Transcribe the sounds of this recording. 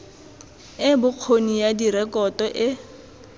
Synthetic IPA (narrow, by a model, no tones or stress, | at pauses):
ɪbʊq͡χʰonijadiɾɛkɔtɔʔɪ